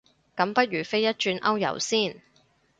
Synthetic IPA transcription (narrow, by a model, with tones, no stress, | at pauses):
kɐ˨˧˥mpɐ˥t̚ɥyː˨˩fe˥jɐ˥t̚t͡ʃyː˧nʔɐ˥wjɐ̰˨˩wsiː˥˩n